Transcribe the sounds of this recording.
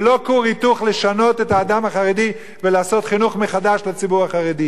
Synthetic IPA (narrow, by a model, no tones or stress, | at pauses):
lo̞kuʁituχle̞ʃano̞te̞taːdamhaχaʁedi | velaːso̞t̪χinuχmeχadaʃlat͡sibuʁaχaʁed̪i